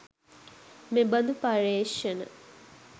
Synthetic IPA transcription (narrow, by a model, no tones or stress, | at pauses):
mebɐnd̪upɐɾeːʃenə̰